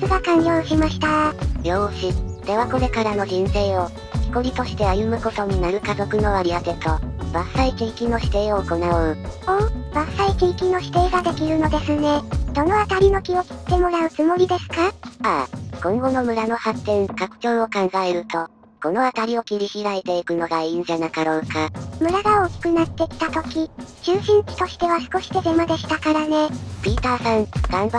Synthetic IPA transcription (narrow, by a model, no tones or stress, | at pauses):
sɨɡakãnjʲoːɕimaɕi̥t̪aɾʲo̞ːɕid̪̥e̞βako̞ɾe̞kaɾano̞ʑĩɰ̃se̞ːo̞ | çʲi̥koɾʲit̪o̞ɕi̥t̪e̞ajɯ̟mɯ̟ko̞t̪o̞ɲ̟inaɾɯ̟kazo̞kɯ̟no̞βaɾʲiaɡe̞t̪o̞basaikʲiːkʲinːo̞ɕi̥t̪e̞ːoːko̞naɯoːbasaikʲiːkʲinːoɕi̥t̪e̞ːɡad̪e̞kʲiɾɯ̟no̞d̪e̞sɨne̞d̪̥o̞no̞at̪aɾʲino̞kʲio̞kʲi̥t̪e̞mo̞ɾaɯ̟t͡sɨmo̞ɾʲid̪e̞sɨ̥kaa̰kõ̞ŋɡo̞no̞mɯ̟ɾano̞hat̪ːẽ̞ŋkakɯ̟̥t͡ɕo̞ːo̞kãŋɡaeɾɯ̟t̪o̞ | ko̞no̞at̪aɾʲio̞kʲiɾʲiçiɾaet̪e̞ikɯ̟no̞ɡaĩɲ̟d͡ʑanakaɾo̞ːkamɯ̟ɾaɡao̞ːkʲi̥kɯ̟nat̪ːe̞kʲi̥t̪at̪o̞kʲit͡ɕɨːɕĩŋ̟kʲi̥t̪o̞ɕi̥t̪e̞β̞asɨ̥ko̞ɕi̥t̪e̞ɡe̞mad̪e̞ɕi̥t̪akaɾane̞pʲiːt̪aːsãŋɡ̥ãmba